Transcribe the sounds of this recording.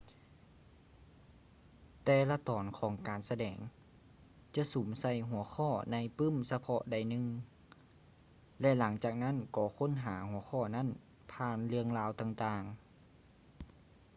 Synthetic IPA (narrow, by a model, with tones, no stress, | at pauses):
t̪ɛː˧la˧t̪ɔː˨˦nkʰɔː˨˦ŋkaː˨˩nsa˧dɛː˨˩ŋ | t͡ɕa˧suː˨˦msa˧˩˨jɦu˨˩˦əxʰɔː˧˩na˧˥˨jpɯ˧˥˨msa˧pʰɔ̰˧da˧˩jnɯ˧ŋ | lɛ˧la˩˦ŋt͡ɕaː˨˩k̚na˦˥˨nkɔː˧˩˦kʰo˧˥˨nɦaː˩˦hu˨˩˦ɐxʰɔː˧˩na˧˥˨n | pʰaː˧˨nlɯ˧əŋlaː˧wt̪aː˧˩ŋt̪aː˧ŋ